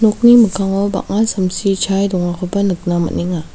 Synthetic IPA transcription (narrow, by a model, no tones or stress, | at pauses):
nok̚nimɯkʰaŋɔwba̰k̚ŋasɐmsit͡ʃʰajdɔŋakʰɔbɐnɯk̚namɐ̰niŋa